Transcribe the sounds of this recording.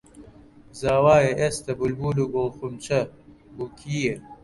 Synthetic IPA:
zaːwaːjeʔest̪ɐbulbuːluːɡolˠxumt͡ʃʰɐ | ukʰiːje

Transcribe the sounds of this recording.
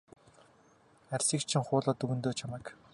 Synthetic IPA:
ærʲsiːkt͡ɕʰɪ̆ŋχʊːɮɔːt̪ɵɣɵ̆nt̪oːt͡ɕʰamɛːk

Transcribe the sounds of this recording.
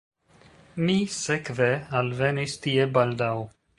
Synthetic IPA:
misekvealvenist̪ie̞bald̪aw

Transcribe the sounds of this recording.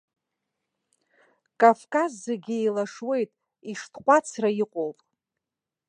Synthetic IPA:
kʼavkʼazːeɡʲiejlaʂwe̞jtʼ | iʂtʰqʷʼat͡sʰrajiqʷʼolpʼ

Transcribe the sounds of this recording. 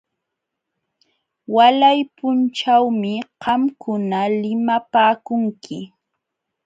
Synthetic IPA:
walajpʊnt͡ʃawmɪqɑmkʊnalɪmapaːkʊŋkʰɪ

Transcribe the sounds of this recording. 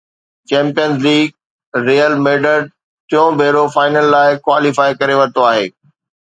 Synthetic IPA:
t͡ɕɛ̃ːmpijənzliːɡ̚ | ɾiːəlmeːɖəɾɖ | t̪ɪjõbʱeːɾofaːɪnəlːaːɪkwaːlifaːɪkɐɾeʋɐt̪oaːɦeː

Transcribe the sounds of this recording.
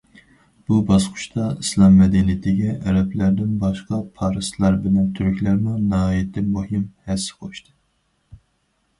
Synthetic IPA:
b̥ubɑsqʰʊ̥ʃt̪ɑislˠɑmːɛd̪ɛnijt̪ʰɪɡʲɛʔɛɾɛplæɾd̪ɪnbɑʃqɑpʰɑːɾɨst̪lˠɑɾbɪlɛnt̪ʰyɾykʲlæɾmunɑɦɑːjɛt̪ʰːɪnmuɦimhɛsːɪ̥qʰouʃt̪ʰɨ

